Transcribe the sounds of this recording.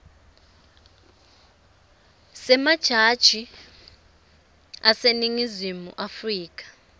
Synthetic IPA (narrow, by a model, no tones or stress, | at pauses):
sɛmad̥ʒ̥ʱad̥ʒ̥ʱi | aseniŋizimṵʔafriːk̬ʼḁ